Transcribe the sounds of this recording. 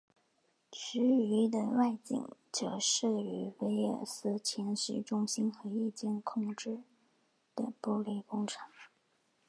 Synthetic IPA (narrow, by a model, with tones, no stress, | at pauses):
t͡ɕʰy˧˥y˧˥d̪ə˧wa˥˧ɪt͡ɕḭ˨˩ŋt͡ɕjo˥˩ʊʂ̩˥˩y˧˥we˧˥ɪɛ̰˨˩sɹ̩˥t͡ɕʰjɛ˧˥nʂ̩˧˥ʈ͡ʂʊ˥ŋɕi˥nxɤ˧˥i˥˧t͡ɕjɛ˥˧nkʰʊ˥˩ŋʈ͡ʂɻ̩˥˧ | d̪̥ə̰˨˩pu˥˧li˥˩kʊ˥ŋʈ͡ʂʰɑ̥˧˥˦ŋ